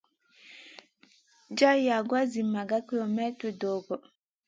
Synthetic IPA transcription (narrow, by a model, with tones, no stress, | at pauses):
d͡ʒa˦ja˨ɡwa˦zi˨ma˨ɡa˦ki˦ɔ˨mɛ˦twe˨˦dɔ˨ɡɔ˨